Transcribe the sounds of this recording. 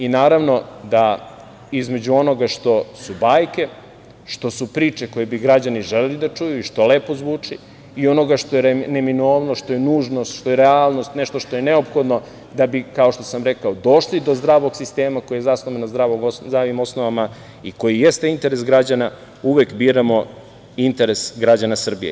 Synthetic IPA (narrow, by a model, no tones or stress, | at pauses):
inaːɾaʋno̞d̪a | izme̞d͡ʑuo̞no̞ɡaʃt̪o̞subaːjke̞ | ʃt̪o̞supɾiːt͡ʃe̞ko̞jebiɡɾad͡ʑaniʒelelid̪at͡ʃujuiʃt̪o̞leːpo̞zʋuːt͡ʂi | io̞no̞ɡaʃt̪ojeneminoːʋnoʃt̪o̞jenuːʒno̞st̪ʃt̪o̞jeɾealˠno̞st̪neʃt̪o̞ʃt̪o̞je̞ne̞o̞pxo̞d̪no̞ | d̪abikaoʃt̪o̞̥samɾe̞kaod̪o̞ʃlid̪o̞zd̪ɾaːʋo̞ɡsist̪e̞ːmako̞jajezasnoʋenazd̪ɾaːʋoɡoɾaʋimo̞sno̞ʋama | iko̞jije̞st̪eint̪e̞ɾesɡɾad͡ʑana | uʋekbiːɾamo̞ | int̪eɾe̞sɡɾad͡ʑanasr̩bḭje